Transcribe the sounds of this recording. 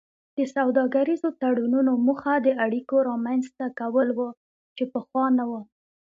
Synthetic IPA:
d̪̥əsawd̪ɑɡaɾizot̪aɽununomuxad̪əaɽikoɾɑmanzt̪akawəlwə | t͡ʃepəxwɑnawə

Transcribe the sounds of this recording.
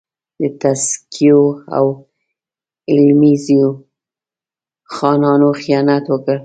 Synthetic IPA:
d̪ət̪askʰijoa̰w | ɪlmizio | xɑnɑnoxijɑnat̪wəkə

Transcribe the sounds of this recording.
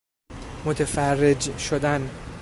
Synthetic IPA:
mot̪ʰefærːed͡ʒʃod̪æn

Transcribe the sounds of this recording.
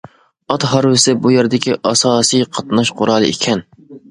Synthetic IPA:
ɑt̪ɦɑɾwɪsɪbujɛɾɪd̪ɪkʲiʔɑsɑːsijqʰɑt̪nɑʃqʰʊɾɑːlˠɨʔekʲʰɛn

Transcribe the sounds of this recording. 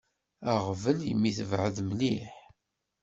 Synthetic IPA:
aʁvəljə̰mːiθəvʕəðmliħ

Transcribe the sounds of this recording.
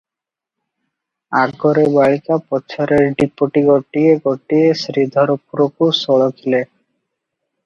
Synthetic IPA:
aɡɡɔɾebaɭikapɔːt͡ɕʰɔɾeɾɖipːoʈiɡoʈieɡoʈːiesɾid̪ʱɔɾopuɾokusɔɭokʰile

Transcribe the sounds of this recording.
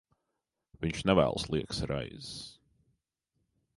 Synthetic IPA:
vɪ̃nt͡ʃnɛvæ̰lˠslˠiəksaɾʔa̰ɪz̥

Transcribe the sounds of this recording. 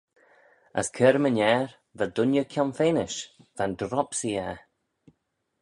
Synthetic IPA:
ə̰skʰəːɾmənɛːɹ | vəd̪ʊnjəkʲʰɔnfeːnɪʃv̥and̪ɾɔpsiːɛ

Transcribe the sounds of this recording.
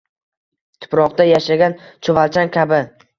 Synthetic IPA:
t̪ʰʊ̥pɾɒqd̪ajaʃaɡʲant͡ʃʰʊvalt͡ʃʰankʲʰabɪ

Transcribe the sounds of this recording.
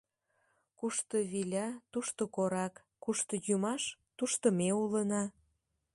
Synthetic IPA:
kuʃt̪oβilʲɑt̪uʃt̪okoɾɑkː | uʃt̪ojumɑʃt̪uʃt̪əmeulənɑ

